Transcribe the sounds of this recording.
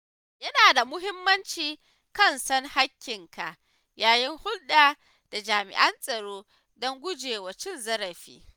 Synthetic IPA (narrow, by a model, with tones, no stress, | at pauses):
jɐ˦naː˨da˨mʊ˦ɦɪ˦mːɐ˦nt͡ʃiː˨ | kɐ˦˨nsɐ˦nha˦kʲːɪ˨ŋka˨ʔ | jaː˦jɪ˦ŋhʊ˦lɗaː˨ | d̥a˨d͡ʒaː˨mɪ̰˨ʔɐ˦nsʼɐ˨ɽoː˦ | dɔ˦ŋɡʷʊ˦d͡ʒeː˨wɐ˨t͡ʃɪ˦˨nzɐ˦ɾɐ˨ɸḭː˦